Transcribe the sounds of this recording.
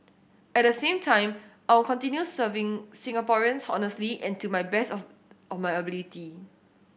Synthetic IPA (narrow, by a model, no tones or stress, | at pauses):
ɛt̚dəsẽmtʰãɪ̃mʔaɪwkɔ̃ntĩnjusəvɪ̃ŋsĩŋapɔɹiə̃nshɔnəsliʔɛ̃ntumajbɛs | ʔɔfmajəbiliti